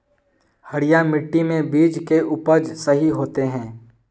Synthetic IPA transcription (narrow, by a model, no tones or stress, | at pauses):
həɽɪjamɪʈːimẽbiːd͡ʒkeʔʊpəd͡ʒsəɦiɦoːt̪eɦɛ̃ː